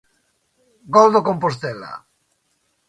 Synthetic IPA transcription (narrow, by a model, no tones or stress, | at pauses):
ɡɔld̪okompost̪ela̰